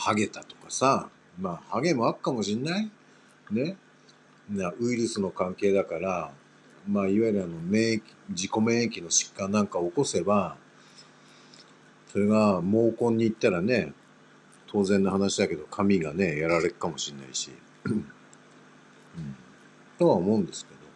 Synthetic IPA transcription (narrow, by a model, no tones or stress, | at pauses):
haɡe̞t̪at̪o̞̥kasa | maːhaɡe̞moakɯ̟̥kamo̞ɕĩnːai | ne̞ | naɯ̟iɾɯ̟sɨno̞kãŋke̞ːd̪akaɾa | maːiβaiɾɯ̟ano̞mẽːkʲd͡ʑiko̞mẽ̞ːekʲino̞ɕi̥kːãnːãŋkaoːko̞se̞ba | so̞ɾe̞ɡamo̞ːkõ̞ɲ̟ːiːt̪ːaɾane̞ | t̪ʰo̞ːzẽ̞nːohanaɕid̪ake̞d̪o̞kʰamʲiɡane̞jaɾaɾe̞kɯ̥kamo̞ɕĩnːa̰iɕḭ | ɯ̃ɴ | t̪o̞βaomo̞ɯ̃nd̪e̞sɨ̥ke̞d̪o̞